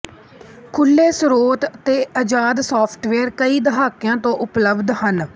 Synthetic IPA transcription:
kʰʊlːeːsɾoːt̪t̪eːʔəd͡ʒaːd̪sɔːpʰʈʋeːɾkəiːd̪əɦaːkjãːt̪õːʔʊpləbd̪hən

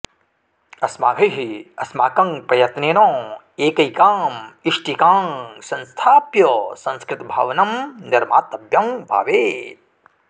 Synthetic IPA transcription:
ɐsmaːɡʱɐjɦiɐsmaːkɐŋpɾɐjɐt̪neːnõː | eːkɐikaːmiʂʈikaːŋsɐ̃nst̪ʰaːpjɐsɐ̃nskɾɪt̪bʱa̰ːʋnɐmnɪɾmaːt̪ɐbjɐŋbʱa̰ːʋeːt̪̚

